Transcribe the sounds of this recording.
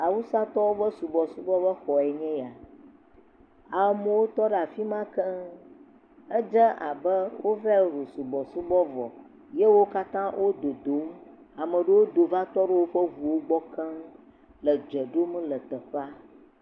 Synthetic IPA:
a˨wu˦sa˦t̪ɔ˦wo˦bə˦su˨bɔ˨su˦bɔ˦bə˦xɔ˨ɛ˨ɲɛ̃˦ja˨ | a˨mə̃˨wo˦t̪ɔ˦ɖa˨fi˦mã˦kə˦ | ə˦d͡ʒə˦ʔa̰˨bə˦wo˦vɛ˦˨ɾo˨su˨bɔ˨su˦bɔ˦vɔ̰˨ | je˦wo˦ka˦t̪ã˦wʔo˦d̪o˨d̪o˨˦m̩˦ | a˨mə̃˨ɖə˦wo˦d̪o˨va˦t̪ɔ˦ɖə˦wo˦ɸə˦vu˨wo˦ɡ͡bɔ˦kʰə˦m | lə˨d͡ʒə˨ɖo˦mə̃˦lə˨t̪ə˨ɸa˦

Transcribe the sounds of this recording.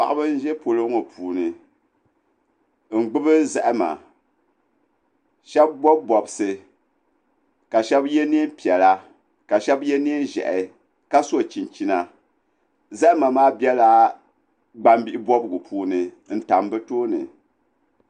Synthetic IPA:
pa˨ʔa˨bɨ˦n̩˦ʒɛ˦po˨lɨ˦ŋo˨pʰuː˨nɨ˨ | n̩˨ɡ͡bɨ˦bɨ˦zɛ˦ʔɪ˦ma̰˨ | ʃɛ˦b̚bɔ˦b̚bɔ˨bsɨ˨ | ka˨ʃɛ˦bjɛ˦ni˦mpi˨ɛ˨la˦ | ka˨ʃɛ˦bjɛ˦ni˦n˦ʒɛ̰˨ʔɪ˨ | ka˦so˦˨t͡ʃi˨n˨t͡ʃi˨na˨ | zɛ˦ʔɪ˦ma˨maː˦bi˦ɛ˦la˦ | ɡ͡ba˦mbi˦ʔi˦bɔ˦bɡu˨pʰuː˨˦nɨ˨ | n̩˦ta˨m˦bɨ˦toː˦nɨ̰˨

